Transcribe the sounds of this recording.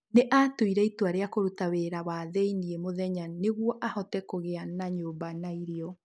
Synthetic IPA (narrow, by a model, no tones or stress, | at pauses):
neʔatoiɾɛitwaɾeakoɾutaweːɾawaðɛiniemoðɛɲaneɣwɔʔahɔtɛkoɣeanaɲoːmbanaiɾeɔ